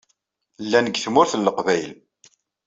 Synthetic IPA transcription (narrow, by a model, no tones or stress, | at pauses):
lːænəɡθmʊɾθəlːəqvæjl